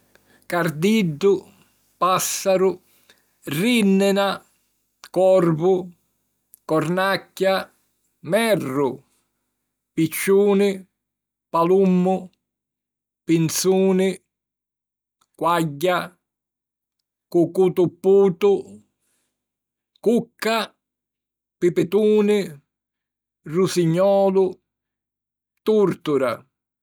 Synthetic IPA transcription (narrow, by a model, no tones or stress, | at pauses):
kard̪idːʊ | pasːaɾʊ | rinːɪna | kɔrbʊ | kɔɾnakːja | mɛrːʊ | pit͡ʃːuːnɪ | palumːʊ | pint̪suːnɪ | kwaɟːa | kukut̪upːuːt̪ʊ | kukːa | pɪpɪt̪uːnɪ | rusiɲːɔːlʊ | t̪uɾt̪ʊɾa̰